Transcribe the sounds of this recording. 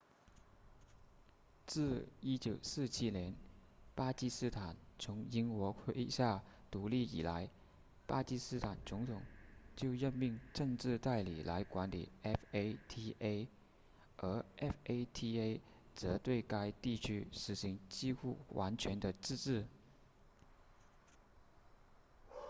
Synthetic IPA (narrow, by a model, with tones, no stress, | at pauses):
t͡sɹ̩˥˩i˥t͡ɕjo˨˩ʊsɹ̩˥˩t͡ɕʰi˥njɛ˧˥npa˥t͡ɕi˥sɹ̩˥t̪ʰa˨˩nt͡sʰʊ˧˥ŋi˥ŋkwɔ˧˥kʰwe˥ɪɕja˥˩t̪u˧˥li˥˩ḭ˨˩la˧˥ɪ | pa˥t͡ɕi˥sɹ̩˥t̪ʰa˨˩nt͡sʊ˧˥ŋt̪ʰʊ˨˩ŋt͡ɕjo˥˧ʊjə˥˧nmi˥˧ŋʈ͡ʂɤ˥˧ŋʈ͡ʂɻ̩˥˧t̪a˥˩ɪli˨˩la˧˥ɪkwa˧˥nli˨˩ɛ˥fe˥ɪt̪ʰi˥ʔe˥ɪ | ə˞˧˥ʔɛ˥fe˥ɪt̪ʰi˥e˥ɪ | t͡sɤ˧˥t̪we˥˩ɪka˥ɪt̪i˥˩t͡ɕʰy˥ʂɻ̩˨˩ɕi˧˥ŋt͡ɕi˥xu˥˩wʔa˧˥nt͡ɕʰɥɛ˧˥nd̪ə˧ʈ͡ʂɻ̩˥˧ʈ͡ʂɻ̩˥˩